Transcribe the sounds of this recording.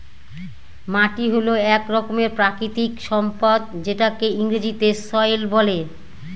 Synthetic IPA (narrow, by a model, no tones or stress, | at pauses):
maʈiɦoloɛkɾɔkomeɾpɾakɾit̪ikʃɔmpad̪̚d͡ʑeʈakeiŋɾid͡ʑit̪esɔjlbɔle